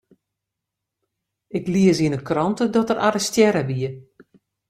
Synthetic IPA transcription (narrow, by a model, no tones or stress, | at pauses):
ɪkliəsiənəkrɔntədɔtəɾʔa̰ɾəstjɛɾəbiə